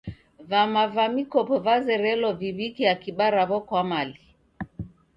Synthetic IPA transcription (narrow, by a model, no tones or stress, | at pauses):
vamavamikɔpɔvazɛɾɛlɔviβikiakiɓaɾaβɔkwamali